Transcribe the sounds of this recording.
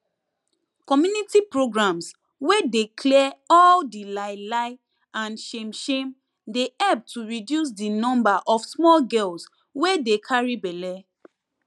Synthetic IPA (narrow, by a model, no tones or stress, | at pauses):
kɔmjunitipɹoɡɹãms | wedekʰlɛɛɔldilaɪlaɪ | ãnʃẽmʃẽm | deɛp̚tuɹidjus̬dinɔ̃mbaʔɔfsmɔlɡɛls | wedekʰaɹibɛlɛ